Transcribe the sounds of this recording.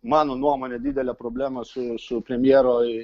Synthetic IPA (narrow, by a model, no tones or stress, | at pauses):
mɑːnonuɔmoːnʲɛd̪ʲid̪ʲɛlʲɛpɾoːbʲlʲæːmɐsʊsʊpʲɾʲɛmʲjeːɾoːɪ